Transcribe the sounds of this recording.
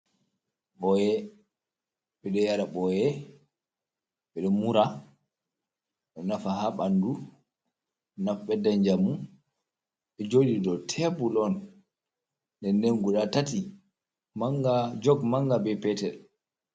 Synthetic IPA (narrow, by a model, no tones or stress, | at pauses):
ɓɔjɛ | ɓɛɗɔjaɾaɓɔjɛ | ɓɛɗɔmuɾa | ɓɛnafahaɓandu | ɛnafɓɛdaɲd͡ʒamu | ɓɛd͡ʒodidɔtʰɛbulɔn | dɛneŋɡuɗatati | maŋɡad͡ʒɔɡmaŋɡabɛpɛtɛl